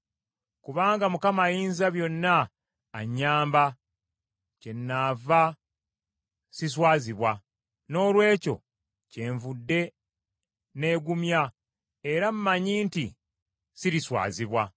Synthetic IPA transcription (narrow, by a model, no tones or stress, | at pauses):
kuβaːŋɡamukamajiːnzaβjo̞nːaː | ɲːaːmba | ce̞nːaːva | sis̬waːziβwa | no̞ːlwe̞ːco̞̰ | ce̞ːɱvudːe̞ | ne̞ːɡumja | e̞ɾam̩maɲiːnti | siɾiswa̰ːziβwa